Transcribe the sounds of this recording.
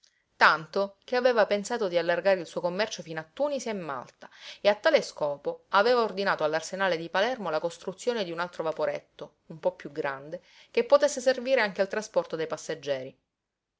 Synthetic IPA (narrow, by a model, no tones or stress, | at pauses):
t̪ant̪okeaveːvapensaːt̪od̪ialːarɡaːɾeilsuːokomːɛrt͡ʃofiːnat̪ːuːniseemːa̰lt̪ḁeat̪ːaːleskɔːpoaveːvaord̪inaːt̪oalːarsenaːled̪ipalɛrmolakost̪ɾut̪sːjoːned̪iunalt̪ɾovapoɾɛt̪ːo | umpɔpːjuɡɾand̪e | k̟epːot̪esːeserviːɾeaŋk̟ealt̪ɾaspɔrt̪od̪ejpasːad͡ʒːɛːɾi